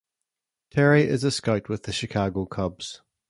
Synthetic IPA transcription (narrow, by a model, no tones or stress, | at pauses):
tʰɛɹiʔɪ̰zəskaɪʔwɪðəʃɪkʰɑːɡoʊkʰʌbz̥